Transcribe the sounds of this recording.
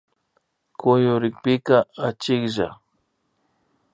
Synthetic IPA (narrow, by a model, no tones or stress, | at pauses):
kʊjʊɾɪk̚pɪkaat͡ʃɪkʒa̰